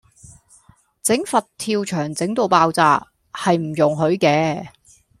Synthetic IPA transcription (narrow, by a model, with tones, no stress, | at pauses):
t͡sɪ˨˥ŋfɐ˨tt̪ʰiː˧wt͡ʃʰœː˨˩ŋt͡sɪ˨˥ŋt̪o˨˧wpaː˧wt͡saː˨˧ | hɐ˨jm̩˨˩jʊ˨ŋɦɵ˨˥ɥkɛː˧